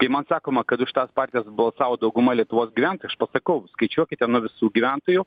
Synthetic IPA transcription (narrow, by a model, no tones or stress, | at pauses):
kɐɪmɐnsɑːkoːmɐkɐd̪ʊʃʲɪ̥t̪ɑspɑːrʲt̪ʲijɛsbɐlˠsɑːʋoːd̪ɐʊɡʊmɐlʲiɛt̪ʊʋoːsɡʲiʋʲæˑnt̪oɪɐʃpɐsɐkɐʊskɐɪt͡ʃʲuɔkʲɪt̪ʲɛnuʋʲɪsuːɡʲiʋʲænt̪oːjʊ